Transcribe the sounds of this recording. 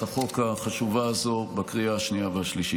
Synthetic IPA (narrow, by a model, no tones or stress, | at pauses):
aχo̞kaχaʃuvaːzo̞bakʁiaaʃniavehaʃliʃi